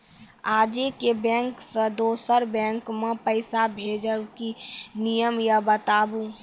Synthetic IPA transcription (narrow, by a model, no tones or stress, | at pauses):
aːd͡ʒekebɛ̃ːŋksed̪oːsəɾbɛ̃ːŋkmẽpəɪsabʱeːd͡ʒəwkinijəmjabət̪aːbu